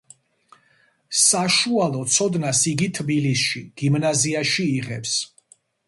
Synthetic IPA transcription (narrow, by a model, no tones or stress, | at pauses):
saʃualˠɔt̪sʰɔd̪nasiɡit̪ʰbilisʃiɡ̥imnaziaʃiːʁɛps